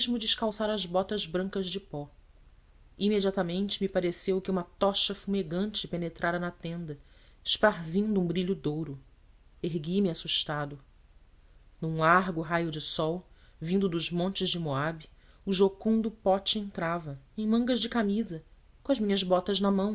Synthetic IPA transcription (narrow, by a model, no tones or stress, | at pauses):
ʒmʊd͡ʒɪʃkawsaɾɐzbɔt̪ɐzbɾɐ̃ŋkɐzd͡ʒɪpɔ | imed͡ʒiat̪ɐmẽnt͡ʃɪmipaɾesewkɪũmɐt̪ɔʃɐfumeɡɐ̃nt͡ʃɪpenet̪ɾʔaɾɐnɐt̪ẽnd̪ɐɪʃpaɾzĩnd̪ʊũbɾiʎʊd̪owɾʊ | eɦɡimiasuʃt̪ad̪ʊ | nũũlaɦɡʊɦajʊd͡ʒɪsɔwvĩnd̪ʊd̪ʊzmõnt͡ʃɪzd͡ʒɪmoabi | ʊʒokũnd̪ʊpɔt͡ʃɪẽnt̪ɾavɐẽj̃mɐ̃ŋɡɐʒd͡ʒɪkamizɐ | kõɐzmĩɲɐzbɔt̪ɐznɐmɐ̃w̃